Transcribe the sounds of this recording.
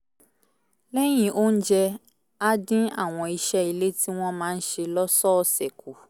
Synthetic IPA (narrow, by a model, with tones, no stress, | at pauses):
lɛ˦j̃ĩ˦˨ʔo˦n̩˦d͡ʒɛ˧ | a˧dĩ˦a̰˦˨w̃ɔ̃˧i˧ʃɛ˦i˧le˦ti˦w̃ɔ̃˦mãː˨˦n̩˦ʃe˧lɔ˦sɔ˦˧sɛ˨ku˨